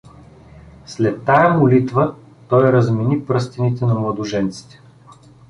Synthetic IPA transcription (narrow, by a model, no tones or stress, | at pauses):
slɛt̪ːajɐmʊlit̪və | t̪ɔjɾɐzmɛnipɾɤst̪ɛnit̪ɛnɐmlˠɐd̪ʊʒɛnt̪si̥t̪ɛ̥